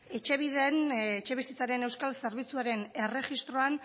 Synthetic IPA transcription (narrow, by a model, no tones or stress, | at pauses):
e̞t͡ʃe̞β̞iðe̞net͡ʃe̞βisit͡saɾe̞ne̞wskalse̞ɾβit͡suaɾe̞ne̞re̞xist̪ɾo̞an